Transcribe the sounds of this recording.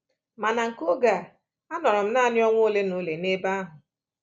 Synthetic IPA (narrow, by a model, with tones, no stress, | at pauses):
ma˨na˨ŋ̩˨ko˦ɡa˨ | a˦nɔ˨ɾɔ˨m̩˦na˦˨nɪ˦ɔ˦ŋʷo˦le˦no˦le˨ne˦ba˦a˦ɦʊ˨